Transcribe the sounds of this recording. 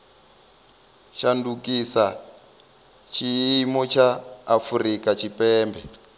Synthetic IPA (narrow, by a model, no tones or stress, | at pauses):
ʃandukisa | t͡ʃʰiimɔt͡ʃʰaːfurikat͡ʃʰipɛːmbʱɛ